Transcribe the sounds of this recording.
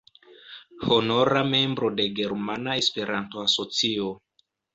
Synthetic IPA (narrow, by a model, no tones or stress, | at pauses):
hono̞ɾame̞mbɾo̞de̞ɡe̞ɾmanaespe̞ɾʔanto̞asot͡sio